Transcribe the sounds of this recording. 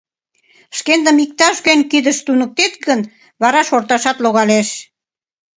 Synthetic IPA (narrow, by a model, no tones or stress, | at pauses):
ʃkend̪əmik̚t̪ɑʃɣønʲkid̪əʃt̪unə̆k̚t̪et̪̚ɡən | βɑɾɑʃort̪ɑʃɑt̪loɣɑleʃ